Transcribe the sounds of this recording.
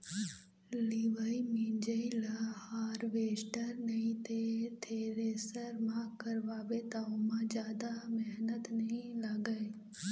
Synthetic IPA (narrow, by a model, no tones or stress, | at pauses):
liʋəimĩːnd͡ʒəilahaːɾʋeːsʈəɾnɐĩt̪ʰet̪ʰeɾeːsəɾmãːkəɾʋaːbet̪aʊmãd͡ʒjaːd̪amɛɦnət̪nɐɦĩlɐɡəe